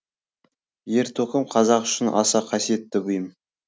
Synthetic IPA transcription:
je̞ɾt̪ʰoqəmqʰɑzɑqʏ̥ʃɪnɑ̰sɑqʰɑsije̞t̪ːɪbʊjəm

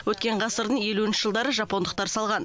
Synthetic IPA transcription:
wɵt̪̚kʲe̞ɴqɑsəɾd̪əɴje̞luɪnʃɪʒəlˠd̪ɑɾəʒɑpo̞nd̪əq̚t̪ɑɾsɑlˠʁɑn

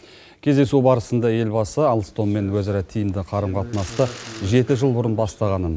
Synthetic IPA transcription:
kʲʰe̞zd̪e̞subɑɾəsənd̪ɑje̞lbɑsəɑlˠst̪o̞mːe̞nwɵzɑɾɑt̪ʰijɪmd̪ɪqʰɑɾəmqʰɑt̪ənɑst̪əʒe̞t̪ɪʒəlˠbʊɾənbɑst̪ɑʁɑnən

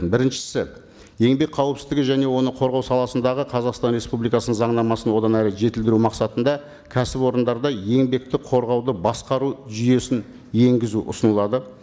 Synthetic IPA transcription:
bɪɾɪnʃɪ̥sɪ | je̞ŋbe̞k̚qʰɑwəpsɪzd̪ɪɡʲɪʒæne̞wo̞nəqʰo̞ɾʁɑwsɑlˠɑsənd̪ɑʁəqʰɑzɑqst̪ɑnɾe̞spublˠijkɑsənəɴzɑɴnɑmɑsənwo̞d̪ɑnæɾɪʒe̞t̪ɪld̪ɪɾumɑqsɑt̪ənd̪ɑ | kʲʰæsɪpwo̞ɾənd̪ɑɾd̪ɑje̞ŋbe̞k̚t̪ɪqʰo̞ɾʁɑwd̪əbɑsqɑɾuʒʏje̞sɪn | je̞ŋɡʲɪzuʔʊ̰sənəlˠɑd̪ə

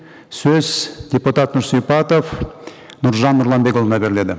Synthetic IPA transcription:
sɵz̥d̪ʲe̞put̪at̪nʊɾsijpɑt̪of | nʊɾʒɑnːʊɾlˠɑmbekolˠənɑbe̞ɾɪle̞d̪ɪ

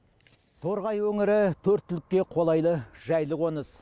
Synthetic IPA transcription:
t̪ʰo̞ɾʁɑjwɵŋɪɾɪt̪ʰɵɾt̪ːʏlɪkʲːe̞qʰo̞lˠɑjlˠəʒ̥æjlˠəʁwo̞nəs

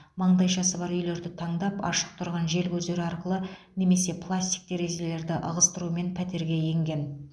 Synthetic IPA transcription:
mɑɴd̪ɑjʃɑsəβɑɾʏjle̞ɾd̪ɪt̪ʰɑɴd̪ɑpɑ̰ʃə̥q̚t̪ʰʊɾʁɑnʒe̞lkʲʰɵzd̪e̞ɾɪɑɾqəlˠəne̞me̞se̞pʰlˠasʲt̪ʲi̥k̚t̪ʰe̞ɾe̞ʒe̞le̞ɾd̪ɪʔə̰ʁəst̪əɾuəme̞npʰæt̪e̞ɾɡʲe̞je̞ŋɡʲe̞n

